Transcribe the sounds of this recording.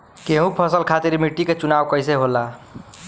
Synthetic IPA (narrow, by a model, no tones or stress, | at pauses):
keɦũpʰʌsəlkʰat̪iɾmiʈːiket͡ʃunawkəjs̬eɦolːa